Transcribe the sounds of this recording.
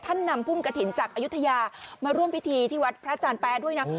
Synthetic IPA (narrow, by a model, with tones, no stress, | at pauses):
t̪ʰa˥˩nːa˧mpʰu˥˩mka˧t̪ʰi˩˦nt͡ɕaː˨˩k̚ʔaː˧ju˦˥t̪ʰːa˧jaː˧maː˧ɾu˥˩mpi˦˥t̪ʰiː˧t̪ʰiː˥˩wa˦˥t̪̚pʰɾa˦˥t͡ɕaː˧npɛː˦˥du˥˩əjna˦˥